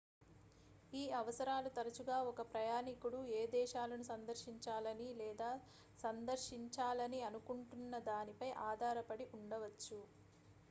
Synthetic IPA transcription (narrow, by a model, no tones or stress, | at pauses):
iːɐʋɐsɐɾaːlut̪ɐɾɐt͡ʃuɡaːɔkɐpɾɐjaːnikuɽueːd̪ɛːʃaːlɐnusɐnd̪ɐɾʃiɲt͡ʃaːlɐnilɛːd̪aː | sɐnd̪ɐɾʃiɲt͡ʃaːlɐniɐnukuɳʈunːɐd̪aːnipɐjʔaːd̪ʱaːɾɐpɐɽiʔuɳɖɐʋɐt͡ʃːu